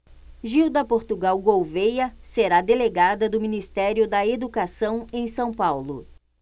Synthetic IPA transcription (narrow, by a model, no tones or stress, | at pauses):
ʒiwd̪ɐpoɾt̪uɡawɡowvejɐseɾad̪eleɡad̪ɐd̪ʊminist̪ɛɾjʊd̪ɐed̪ukasɐ̃w̃ẽj̃sɐ̃w̃pawlʊ